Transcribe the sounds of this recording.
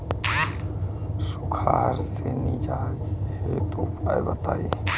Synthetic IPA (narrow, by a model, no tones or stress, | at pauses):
sʊkʰaːɾsenid͡ʒaːzhet̪uːpa̰jbɐt̪a̰ːje